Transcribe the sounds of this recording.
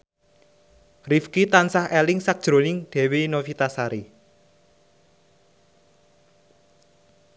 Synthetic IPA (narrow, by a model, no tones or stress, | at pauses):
rifkit̪ansahɛlɪŋsak̚d̥ʒ̥ɾo̤nɪŋɖ̪̥ɛ̤wenofit̪asaɾi